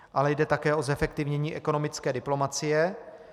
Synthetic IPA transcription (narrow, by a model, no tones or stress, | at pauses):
ʔalɛjdɛt̪akɛːʔozɛfɛkt̪ɪvɲɛɲiːʔɛko̞no̞mɪt͡skɛːdɪplo̞mat͡sɪjɛ